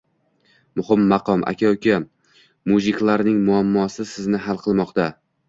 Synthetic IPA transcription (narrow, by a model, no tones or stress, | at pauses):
mʊhɪmːɑqʰɒmʔa̰kʲʰawkʲa | muzɪkʲlˠaɾnɪŋmʊamːɒsɪsɪznɪɦalˠqʰɨlˠmɒqt̪a